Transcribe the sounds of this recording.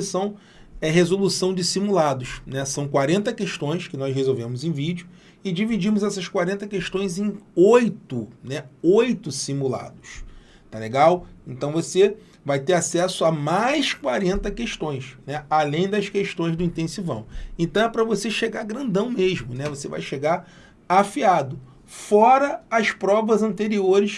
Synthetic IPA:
sɐ̃w̃ | ɛɦezolusɐ̃w̃d͡ʒɪsimulad̪ʊʃnɛsɐ̃w̃kwaɾẽnt̪ɐkeʃt̪õj̃skɪnɔzɦezowvẽmʊzẽj̃vid͡ʒʊ | ɪd͡ʒivid͡ʒimʊzɛsɐskwaɾẽnt̪ɐkeʃt̪õj̃zẽj̃ojt̪ʊnɛojt̪ʊsimula̰d̪ʊs | t̪aleɡawẽnt̪ɐ̃w̃vose | vajt̪eɾasɛsʊɐmajskwaɾẽnt̪ɐkeʃt̪õj̃snɛalẽj̃d̪ɐskeʃt̪õj̃zd̪ʊĩnt̪ẽsivɐ̰̃w̃ẽnt̪ɐ̃w̃ɛpɾɐvoseʃeɡaɡɾɐ̃nd̪ɐ̃w̃meʒmʊnɛvoseva̰jʃeɡaɾ | afiad̪ʊ | fɔɾɐːspɾɔvɐzɐ̃nt̪eɾioɾɪs

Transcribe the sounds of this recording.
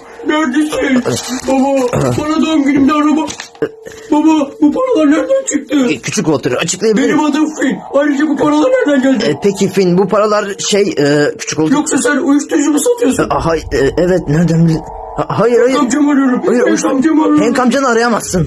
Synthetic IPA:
næɾd̪esinbabapʰaɾad̪aɯmɟynimd̪ɛaɾaba | bababupʰaɾalˠaɾnæɾd̪ænt͡ʃʰɯk̚t̪ʰɯcʰyt͡ʃʰykolˠt̪ʰuɾɾat͡ʃʰɯ̥klˠajabibeinɾimad̪amfinajɾɯd͡ʒabupʰaɾalˠaɾnæɾd̪ænɟælʲdpʰecʰifinbupʰaɾalˠaɾʃejɯːcʰy̥t͡ʃʰy̥kolˠjoksasænujuʃt̪uɾud͡ʒumusat̪ʰɯjosaɦaɛʔɛvɛt̪næɾd̪ænl | hɦajɯɾhajamd͡ʒamaɾɯjoɾumajɾʃamd͡ʒamaɾhɛnkʰamd͡ʒanɯaɾajamasːɯn

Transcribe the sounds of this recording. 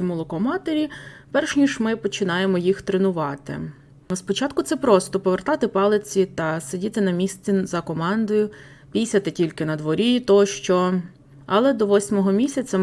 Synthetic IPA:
ɔmulˠɔkɔmɑt̪eɾʲipɛrʃnʲiʃmɪpɔt͡ʃɪnɑjemɔjixt̪ɾenʊʋɑt̪ɪ̰ | spɔt͡ʃɑt̪̚kʊt̪sɛpɾɔst̪ɔpɔʋert̪ɑt̪ɪpɑlˠɪt͡sʲit̪ɐsedʲit̪ɪnɐmʲisʲt͡sʲizɐkɔmɑnd̪ɔjʊ | pʲijsʲɐt̪ɪtʲilʲkɪnɐd̪ʋɔɾʲit̪ɔʃt͡ʃɔ | ɐlˠɛd̪ɔʋɔsʲmɔɦɔmʲisʲɐt͡sʲɐ

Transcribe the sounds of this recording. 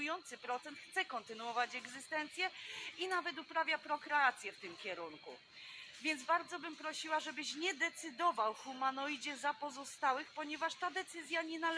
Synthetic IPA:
ujɔnt̪sɘpɾɔt̪sɛnt̪xt̪sɛkɔnt̪ɘnuɔvat͡ɕɛɡzɘst̪ɛnt̪sʲjɛinavɛt̪̬upɾavʲjapɾɔkɾɛat̪sʲjɛft̪ɘmkʲɛɾunkṵ | vʲjɛnd̪zbaɾd̪zɔbɘmpɾɔɕiwaʐɛbɘɕɲɛd̪ɛt̪sɘd̪ɔvawxumanɔjd͡ʑɛzapɔzɔst̪awɘxpɔɲɛvaʂt̪ad̪ɛt̪sɘzʲjaɲɛnal

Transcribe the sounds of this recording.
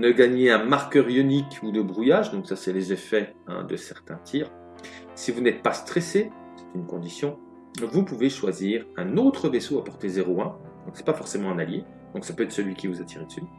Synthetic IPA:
nəɡaɲeɛ̃maʁkʲœʁjynikud̪əbʁujaʒd̪ɔ̃ksasɛlezefɛ | ə̰d̪əsɛʁt̪ɛ̃t̪ʰiːʁ | sivunɛt̪̚past̪χɛse | sɛ̥t̪ynkɔ̃d̪isjɔ̃ | vupuveʃwaziʁɛ̃not̪χəvesoapɔʁt̪ezeʁoɛ̃ | d̪ɔ̃ksɛ̥pafɔʁsemɑ̃ɛ̃nalje | d̪̥ɔ̃ksapøɛt̪χsəlɥikʲivuzat̪ʰiʁed̪ə̥sy

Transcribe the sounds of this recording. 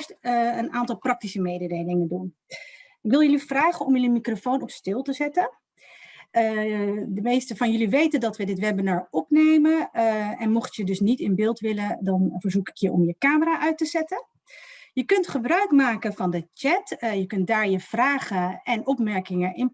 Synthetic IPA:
ɹstənaːntɑlˠprɑk̚tisəmeːjdədejlɪŋəndun | ɪkʋɪlˠjəlifraːχənɔmjələmikrofoːnɔpstɪːlˠtəzɛtə | dəmejstəvɑnjʏliʋejtəndɑtʋədɪtʋɛbənəɹɔpneːjmənɛnmɔχtjədɵsnitɪnbɪːlˠtʋɪlədɑnfəɹzukɪ̥kjəɔ̰mjəkaːməraːʔœɥtəzɛtə | jəkɵntχəbrœɥkmaːkəvɑndət͡ʃɛtjəkɵnt̚daːɹjəv̥raːχəɛnɔpmɛɹkɪŋəɪn

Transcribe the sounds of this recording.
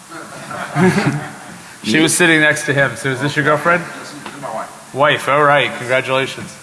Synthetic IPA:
ʃiwʌz̥sɪɾɪ̃ŋnɛkstʰɨɪ̃msoʊɨzðɪsjə˞ɡʌlˠfɹɛ̃nd̥̚ | waɪfɔlˠɹaɪt̚kʰn̩ɡɹæt͡ʃɨleɪʃɨ̃nz̥

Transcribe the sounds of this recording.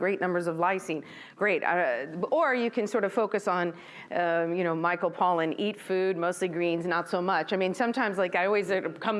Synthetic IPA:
ɡ̥ɹeɪt̚ⁿnʌ̃mbə˞zʌvlaɪsĩn | ɡ̥ɹeɪt̚ʌ̰ə˞jɨkʰɨ̃nsɔɹɾʌv̥foʊkɨsn̩ | ʔʌjɨɾ̃oʊmaɪkl̩ˠpʰɔlˠɨ̃nitfʉd̚moʊstˡliɡɹĩnznətsoʊmʌt͡ʃaɪmĩnsʌ̃mtʰãɪ̃mzlaɪkaɪɔlˠwizəkʰʌ̃m

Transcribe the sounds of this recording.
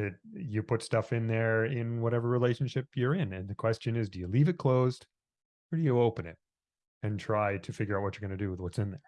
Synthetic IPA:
ɨjɨpʰʊtstʌfɨ̃nðə˞ɪ̃nwʌɾɛvə˞ɹileɪʃn̩ʃɪpʰjə˞ɪ̃nɨ̃nðɨkʰw̥ɛst͡ʃɨ̃nɪzdɨjɨlivɨt̚kʰl̥oʊzd̥ | ə˞ɾɨjɨoʊpɨ̃nɪ̰ɾ̚ | ɨ̃ntʰɹ̥aɪɾɨfɪɡjə˞aʊt̚wʌt͡ʃə˞ɡʌnɨdɨwɨðwʌtsɨ̃nðə˞

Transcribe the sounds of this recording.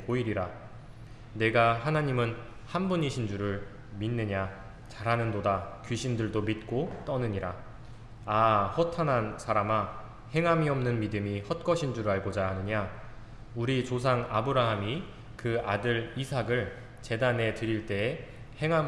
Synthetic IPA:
oiɾiɾa | ne̞ɡaɦanaɲimɯn | hanbuɲiɕʰind͡ʑuɾɯɭ | minːɯɲa | t͡ɕaɾɦanɯndodakɥiɕʰindɯɭdomit̚k͈ot͈ʌnɯɲiɾa | ahʌtʰanɦansʰaɾama | he̞ŋɦamiʌmnɯnmidɯmihʌt̚k͈ʌɕʰind͡ʑuɾɯɭaɭɡod͡ʑaɦanɯɲa | uɾit͡ɕos̬ʰaŋa̰bɯɾaɦami | kɯadɯɾisʰaɡɯɭ | t͡ɕe̞dane̞tɯɾiɭt͈e̞ː | he̞ŋɦa

